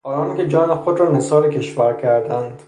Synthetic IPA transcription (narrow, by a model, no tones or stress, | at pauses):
ɒːɾɒːnkʲed͡ʒɒːnexod̪ɾɒːnesɒːɾekʰeʃvæɾkʰæɾd̪ænd̪̥